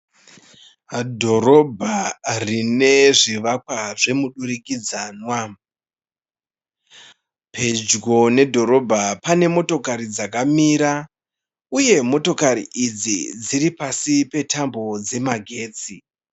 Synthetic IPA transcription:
dʱo̞ɾobʱarine̞ʐiʋakwaʐe̞muɗuɾikid͡zaːnwa | pʰe̞d͡ʒɡo̞ne̞dʱo̞ɾo̞bʱapane̞mo̞to̞kaɾid͡zak̬amiːɾa | uje̞mo̞to̞kaɾḭʔid͡zid͡ziɾipasipe̞tʰambo̞d͡ze̞maɡʱe̞ːt͡si

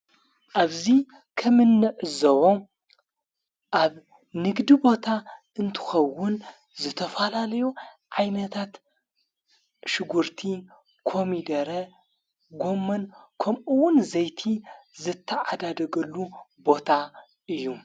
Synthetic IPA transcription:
ʔaβzi | kʰɐmɨnːɨʕɨzɐβo̞ | ʔaβ | nɨɡd̪ibo̞t̪ʰaʔɨnt̪ʰɨ̥xɐwːʊn | zɨt̪ʰɐfɐlalɐjuʕajnɐt̪ʰat̪ | ʃɨɡuɾt̪ʰi | kʰo̞mid̪ɐɾɐ | ɡo̞mːɐnkʰɐmʔuwʊnzɐjt̪ʰizɨt̪ʰːɐʕad̪ad̪ɐɡɐlːubo̞t̪ʰa | ʔɨjːu

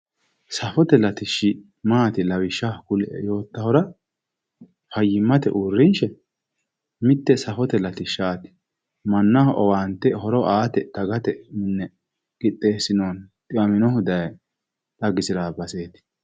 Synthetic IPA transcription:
sɐfɔt̪ɛlɐt̪ɪʃɪ | maːt̪ɪlɐwɪʃːɐkʊlɛ̰jo̞ːt̪ːɐhɔɾɐ | fɐjːɪmːɐt̪ɛ̰ʔurːɪnʃɛ | mɪt̪ːɛsɐfɔt̪ɛlɐt̪ɪʃaːt̪ɪ̥ | mɐnːɐhɔʔɔwaːnt̪ːɛhɔɾɔʔaːt̪ɛd̪̥ɐɡɐt̪ɛmɪnːɛ | ɡ̥ɪt̪ʼːe̞ːsːɪnoːnt̪ʼɪʔɐmɪnɔhʊd̪ɐj | ᶑ̪ɐɡɪsɪɾaːbɐse̞ːt̪ɪ̥

